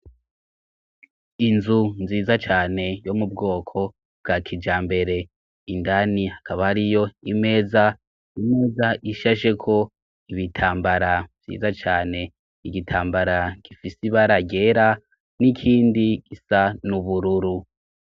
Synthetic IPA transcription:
inzunziːzat͡ʃaːne̞jo̞mub̚ɡo̞ːkʰo̞ | b̚ɡakʰid͡ʒaːmbe̞ɾe̞ | indanihakaβahaɾijo̞ime̞ːza | ime̞ːzaʔiʃaʃe̞kʰo̞ | iβitʰaːmbaɾavzḭːzat͡ʃaːne̞ | iɡitʰaːmbaɾaɡ̥ifisiβaɾaɡe̞ɾa | nikʰiːndiɡ̥isanuβuɾuɾu

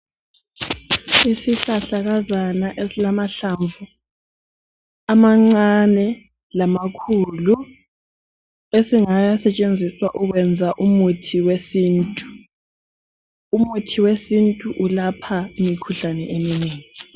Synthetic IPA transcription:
isiɬaɬaɣazanaʔesilamaɬaɱvu | amaŋ͡ǀanɛ | lamakʰulu | esiŋajasɛt͡ʃʼend͡zʱiswaʔuɣwɛnd͡zʱaʔumutʰiwesiːntʼu | umutʰiwesintʼuʔulapʰaimikʰuɬanɛʔemineːŋi

